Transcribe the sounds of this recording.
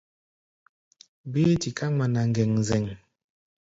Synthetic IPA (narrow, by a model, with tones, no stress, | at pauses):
bi˦ti˨ka˦ŋa˨na˨ŋ̩˦ɡɛ˨ŋ˨zɛ˨ŋ˨